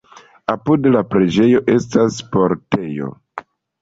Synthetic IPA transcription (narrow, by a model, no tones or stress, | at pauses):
apudlapɾe̞d͡ʒe̞jo̞ʔe̞staspo̞ɾte̞jo̞̰